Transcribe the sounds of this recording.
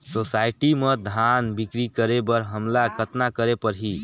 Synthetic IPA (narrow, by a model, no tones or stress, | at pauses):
sosajʈiməd̪ʱanbikɾikəɾebəɾɦəmlakʰət̪nakəɾepəɾɦi